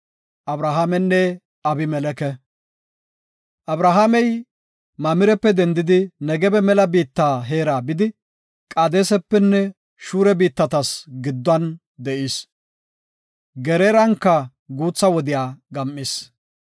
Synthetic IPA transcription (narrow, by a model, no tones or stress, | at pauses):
ʔɐbɾaɦamɛnːɛ | ɐbɪmɛlɛkɛ | ʔɐbɾaɦamɛj | mɐmɪɾɛpːɛd̪ɛnd̪ɪd̪ɪnɛɡɛbɛmɛlɐbiːt̪ːaːɦe̞ːɾaːbɪd̪ɪ | kʼaːd̪eːsɛpːɛnːɛ | ʃuːɾɛbiːt̪ːɐt̪ɐsɡɪd̪ːɐn | d̪ɛʔiːs | ɡɛɾeːɾɐŋkːɐ | ɡuːt͡sːɐwɔd̪ɪjaːɡɐmʔːɪs